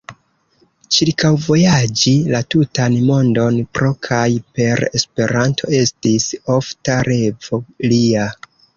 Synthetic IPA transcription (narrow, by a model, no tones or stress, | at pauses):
t͡ʃiɾkʰawvo̞jad͡ʒilatutanmo̞ndo̞npɾo̞kʰajpe̞ɾe̞spe̞ɾantʰo̞̰e̞stiso̞ftaɾe̞volia